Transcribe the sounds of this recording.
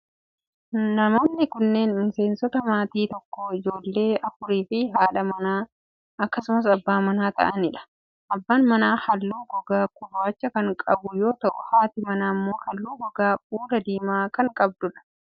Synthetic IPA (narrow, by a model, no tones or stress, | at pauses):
nɐmo̞ːnːɪkʊnːe̞ːnmɪse̞ːnsɔt̪ɐmaːt̪iːt̪ɔkːoːɪd͡ʒo̞ːlːe̞ːɐfʊɾiːfɪɦaːᶑɐmɐnaː | ɐkːɐsʊmɐs̬ɐbːaːmɐnaːt̪ɐ̰ʔɐnɪᶑɐ̥ | ʔɐbːaːnmɐnaːhɐlːuːɡɔɡaːkʊraːt͡ʃːɐkɐŋkʼɐbʊjo̞ːt̪ɐʔʊhaːt̪ɪmɐnaːmːo̞ːhɐlːuːɡɔɡaːbuːɾɐd̪iːmaːkɐŋkʼɐb̚d̪ʊᶑɐ̥